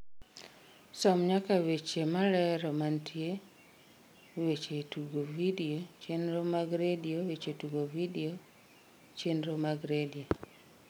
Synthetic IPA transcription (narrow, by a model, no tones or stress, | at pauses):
sɔmɲakawet͡ʃemalɛɾɔmantʰie | wet͡ʃetuɡovidiot͡ʃenɾomaɡɾediowet͡ʃetuɡovidio | t͡ʃenɾomaɡɾedio